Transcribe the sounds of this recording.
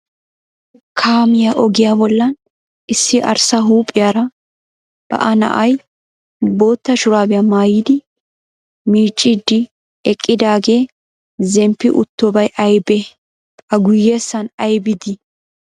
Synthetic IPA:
kʰaːmɪjaʔɔɡɪjaːbɔlːɐn | ɪsːɪʔɐ̰ɾsɐɦuːpʼːɪjaɾɐ | b̥ɐ̰ʔɐnɐ̰ʔɐj | bo̞ːt̪ːɐʃʊɾaːbɪjɐmaːjiːd̪ɪ | miːt͡ʃʼːɪd̪ːɪ | ɛkʼːɪd̪aːɡe̞ː | zɛmpːɪʔʊ̰t̪ːɔbɐjɐjbɛ | ɐɡʊjːe̞ːsːɐnɐjbɪd̪ɪ

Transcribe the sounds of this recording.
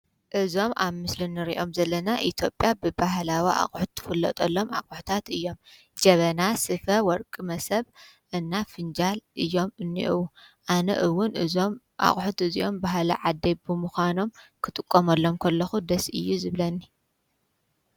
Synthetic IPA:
ʔɨzo̞mʔaβmɨslɨnːɨɾḭʔo̞mzɐlːɐnaʔit̪ʰjo̞pʼːjabɨbaɦlawiʔa̰χʼħut̪ʰːɨ̥fɨlːɐ̰t̪ʼɐlːo̞ma̰kʼʊħut̪ʰat̪ɨjːo̞m | d͡ʒɐβɐnasɨfɐwɔɾkʼɨmɐsɐβ | ʔɨnːafɨnd͡ʒalʔɨjːo̞mɨnːḭʔɨwuʔanɐ̰ʔɨwːʊnɨzom | ʔa̰χʼħut̪ɨziʔo̞mbaɦlɐʕad̪ːebɨmuxʷano̞mkʰɨt̪ʼɨkʼːomɐlːo̞mkʰɐlːɐxud̪ɐsɨ̰jːuzɨβlɐnːi

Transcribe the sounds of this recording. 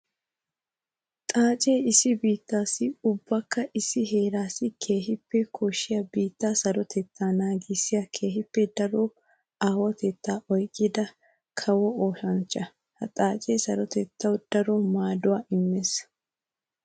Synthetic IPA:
t̪ʼaːt͡ʃʼe̞ːɪsɪbiːt̪ːaːsɪʊbːɐkːɐʔɪsːɪɦe̞ːɾaːsɪkʰe̞ːhɪpːɛkʰɔʃːɪjɐbiːt̪ːaːsɐɾɔt̪ʰɛt̪ːaːnaːɡisːɪjɐkʰe̞ːɦɪpːɛd̪ɐɾoː | aːwɐt̪ɛt̪ːaːʔɔjkʼːɪd̪ɐ | kʰɐwɔoːʃɐnt͡ʃːɐ | hɐt̪ʼaːt͡ʃʼe̞ːsɐɾɔt̪ɛt̪ːɐwd̪̥ɐɾɔmaːd̪ʊwaːʔɪmːes

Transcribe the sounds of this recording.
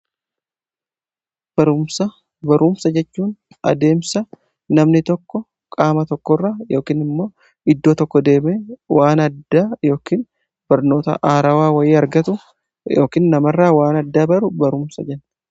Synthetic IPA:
b̥ɐɾʊmsɐ | bɐɾʔʊmsɐd͡ʒɛt͡ʃːuːn | ɐ̰d̪e̞ːmsɐ | nɐmnɪt̪ɔkːɔ | kʼaːmɐt̪ɔkːɔrːaːjo̞ːkiːnɪmːo̞ː | ɪd̪ːo̞ːt̪ɔkːɔd̪e̞ːmeːwaːnɐd̪ːaːjo̞ːkiːn | b̥ɐɾno̞ːt̪ɐ̰ʔaːɾɐwaːwɐjɪːɐɾɡɐt̪ʊ | jo̞ːkiːnːɐmɐrːaːwaːnɐd̪ːaːbɐɾʊbɐɾʊmsɐd͡ʒɛn

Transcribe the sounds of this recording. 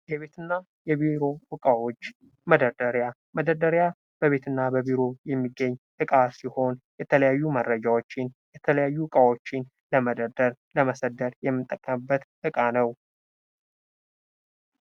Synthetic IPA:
jɛβe̞t̪ʰɨnːa | jɛβiɾo̞wɨkʼawo̞t͡ʃː | məd̪əɾd̪əɾja | məd̪əɾd̪əɾja | b̥əβe̞t̪ʰɨnːabəβiɾo̞jɛmːiɡːəɲːʔɨkʼasiho̞njɛt̪ʰələjajːumərːəd͡ʒawo̞t͡ʃːɪnjɛt̪ʰələjajːuɨkʼawo̞t͡ʃːɪn | ləməd̪əd̪əɾləməsəd̪əɾjɛmːɨt̪ʼːəkʼːəmɨbːət̪ʔɨkʼanəw

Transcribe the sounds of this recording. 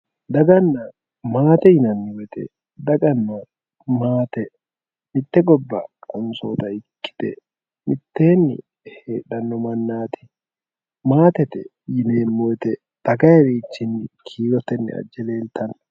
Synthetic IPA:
d̪ɐɡɐnːa | maːt̪ɛjɪnɐnːɪwɛt̪ɛ̰ | d̪ɐɡɐnːa | maːt̪ɛ | mɪt̪ːɛɡɔbːɐ̰kɔnsoːt̪ɐɪkːɪ̥t̪ɛ̰ | mɪt̪ːeːnːɪ̰ | hḛːᶑɐnːɔmɐnːaːt̪ɪ̥ | maːt̪ɛt̪ɛ | jɪneːmːɔɛt̪ɛ | t̪ɐɡɐjɛɾiːt͡ʃːɪnːɪkʰiːɡɔt̪ɛnːɪ̰ɐ̰d͡ʒːɛle̞ːlt̪ʰɐn

